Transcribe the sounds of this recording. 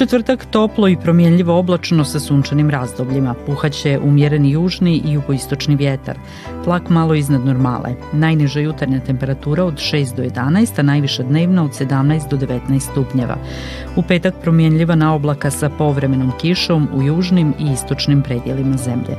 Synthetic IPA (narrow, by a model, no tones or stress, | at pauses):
t͡ʃet̪vrt̪akt̪o̞plˠo̞ipɾo̞mjenʎiʋo̞oblˠat͡ʃnosasuːnt͡ʃanimɾazd̪o̞bʎimapuxat͡ɕeʔumjeɾenijuːʒniʔijuɡoist̪o̞t͡ʃniʋjet̪a̰ɾ | plˠakmalˠo̞iznad̪noɾma̰lḛnajniʒajut̪aɾɲat̪e̞mpe̞ɾat̪uːɾao̞d̪ʃe̞ːst̪d̪ojed̪anaest̪anajʋiʃad̪ne̞ːʋnao̞d̪se̞d̪amnajst̪̚d̪o̞d̪eʋet̪najst̪t̪upɲeʋa̰ | upe̞ːt̪akpɾomjenʎiʋanaoblˠakasapo̞ʋɾe̞me̞no̞mkiʃo̞mujuːʒnimiist̪o̞t͡ʃnimpɾed̪jelimazemʎḛ